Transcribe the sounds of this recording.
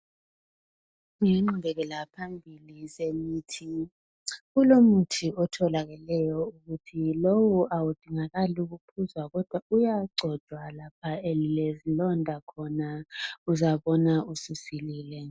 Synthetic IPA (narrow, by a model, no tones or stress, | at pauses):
uŋiŋ͡ǃumbʱɛɣɛlapʰambʱilisemiːtʰi | ɣulomutʰiɔtʰɔlaɣɛlɛjɔuɣutʰilowuawud̥ʱiŋaɣaluɣupʰuzwaɣɔd̥ʱwaujaɡ͡ǀʱɔd̥ʒ̥ʱwalapʰaelilezilɔndʱakʰɔnauzaβɔnaususiliːlɛ